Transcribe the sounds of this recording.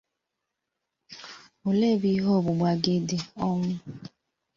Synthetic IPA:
o˨le˦˨bi˦ɦo˦˨bʊ˨ɡ͡ba˨ɡe˦dɪ˨ɔ˦ŋʊ˦

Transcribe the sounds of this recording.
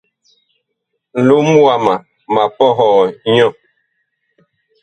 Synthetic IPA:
n̩˨lu˦m˦wa˨ma˨ | ma˨pɔ˦ɦɔː˨˦ɲɔ̃˦˨

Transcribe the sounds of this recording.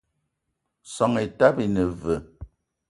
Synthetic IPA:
sɔ˨ŋe˨ta˦bi˨nə˨və˨

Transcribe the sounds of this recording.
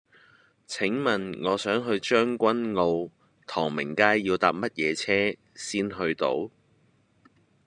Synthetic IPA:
t͡sʰɪ˨˥ŋmɐ˨nŋɔː˨˧sœː˨˥ŋɦɵ˧ɥt͡ʃœː˥ŋkʷɐ˥nŋo˧w | t̪ʰɔː˨˩ŋmɪ˨˩ŋkaː˥jːiː˧wt̪aː˨p̚mɐ˥t̚jɛː˨˧t͡sʰɛː˥ | siː˥nɦɵ˧ɥt̪o̰˨˥w

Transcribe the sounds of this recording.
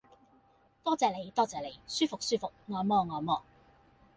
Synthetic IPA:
t̪ɔː˥t͡sɛː˨le˨˩jt̪ɔː˥t͡sɛː˨˩le˨˩jsyː˥fʊ˨k̚syː˥fʊ˨k̚ŋɔː˨˧˩mɔː˧ŋɔː˨˧mɔː˥˧

